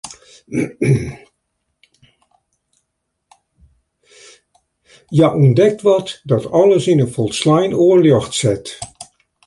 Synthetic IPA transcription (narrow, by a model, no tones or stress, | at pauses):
jaʔɔndɛk̚tʋɔtdɔtɔlˠəsɪnəfɔlˠslajnoəljɔxtsɛt